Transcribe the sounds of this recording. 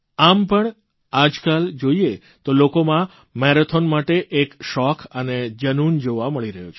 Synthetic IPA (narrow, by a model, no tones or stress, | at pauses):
ampəɳ | ad͡ʒkald͡ʒoie | t̪olokomã | mɛɾot̪ʰonmaʈeʔekʃɔkʰəned͡ʒənund͡ʒoʋaməɭiɾəɦjot͡ʃʰe